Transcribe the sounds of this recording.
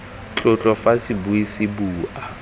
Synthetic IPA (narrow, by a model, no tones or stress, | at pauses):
t͡ɬʼʊt͡ɬʼɔfasibuisɪbuːʔa